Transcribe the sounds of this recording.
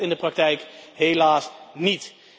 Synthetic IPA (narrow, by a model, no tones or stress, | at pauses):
ɪndəprɑk̚tɛjkɦelaːsnit